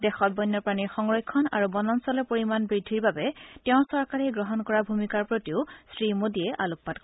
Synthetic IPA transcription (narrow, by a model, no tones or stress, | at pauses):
dɛxɔt̚bɔjnːɔɹpɹaniɹxɔŋɹɔjkʰːɔna̰ɹubɔnɔnsɔlɛpoɹimanbɹidʱːiɹbabɛtɛʊ̃sɔɹkaɹɛɡɹɔɦɔnkɔɹabʱumikaɹpɹotiʊsɹimodiɛʔaluk̚patk